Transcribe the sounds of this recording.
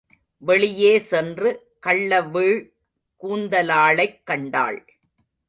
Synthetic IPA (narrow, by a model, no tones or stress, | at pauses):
ʋɛɭɪjeːsɛndrɯ | kɐɭːɐʋiːɻ | kuːnd̪ɐlaːɭɐɪkːɐɳɖa̰ːɭ